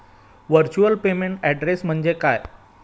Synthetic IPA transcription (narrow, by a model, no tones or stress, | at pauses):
ʋəɾt͡ɕuəlpemeɳʈɛɖɾesm̤əɳd͡ʑekaj